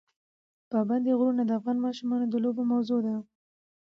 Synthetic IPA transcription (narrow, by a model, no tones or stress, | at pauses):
pɑband̪eɣɾunad̪əafɣɑnmɑʃumɑnod̪əlobomawzod̪a